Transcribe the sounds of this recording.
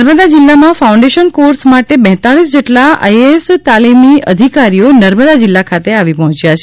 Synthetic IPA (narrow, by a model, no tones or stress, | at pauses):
ɾməd̪ad͡ʒɪlːamãfaũɳɖeʃənkoɾsmaʈebɛ̃ɦt̪aɭisd͡ʒeʈlaa̰jest̪alimiəd̪ʱikaɾijonəɾməd̪ad͡ʒɪlːakʰat̪eaʋipəɦɔ̃t͡ʃjat͡ʃʰe